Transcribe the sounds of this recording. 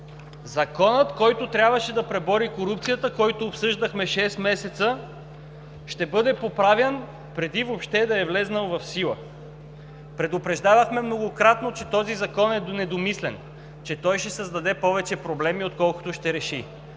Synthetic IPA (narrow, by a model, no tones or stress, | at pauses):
zɐkɔnət̪kɔjt̪ot̪ɾʲabvɐʃɛd̪ɐpɾɛbɔɾikoɾup̚t̪sijət̪əkɔjt̪oːpsɤʒd̪ɐxmɛʃɛst̪mɛsɛt̪sə | ʃt̪ɛbɤd̪ɛpopɾavjən | pɾɛd̪ivopʃt̪ɛd̪ɐɛvlɛznəlˠvɐfsilˠə̰ | pɾɛd̪opɾɛʒd̪avɐxmɛmnoɡokɾat̪not͡ʃɛt̪ɔzizɐkɔnɛd̪onɛd̪omislɛn | t͡ʃɛt̪ɔjʃɛsɐzd̪ɐd̪ɛpɔvɛt͡ʃɛpɾoblɛmiot̪̚kɔlˠko̥t̪ʊʃt̪ɛɾɛʃi